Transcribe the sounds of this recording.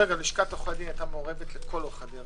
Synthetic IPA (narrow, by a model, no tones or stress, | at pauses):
eɡaliʃkat̪oχad̪iajt̪amoʁevet̪let̪koloχad̪i